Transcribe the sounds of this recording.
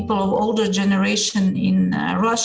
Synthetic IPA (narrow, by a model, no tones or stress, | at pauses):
pl̩ˠɔvo̰ʊlˠdə˞d͡ʒɛnəɹeɪʃɨ̃nɪ̰̃n | ɹʌʃ